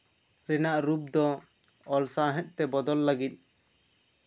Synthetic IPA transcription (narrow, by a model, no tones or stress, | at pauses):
ɾɛnaʔɾub̚d̪ɔ | ɔlsaɦɛ̃t̪̚ˀt̪ɛbɔd̪ɔlːaɡit̪̚ˀ